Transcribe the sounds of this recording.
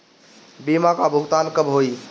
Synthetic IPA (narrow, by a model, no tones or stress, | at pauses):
bimakabʱuɦt̪ankəbɦoi